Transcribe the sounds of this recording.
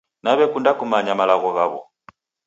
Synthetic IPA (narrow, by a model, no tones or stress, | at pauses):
naβɛkundakumaɲamalaɣɔɣaβɔ̰